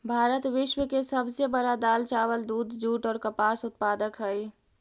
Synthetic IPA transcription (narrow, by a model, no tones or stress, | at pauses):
bʱaːɾət̪ʋɪʃwəkesəbsebəɾad̪aːlt͡ʃaːwəld̪uːd̪d͡ʒuːʈɔːɾkəpaːsʊt̪̚paːd̪əkɦəi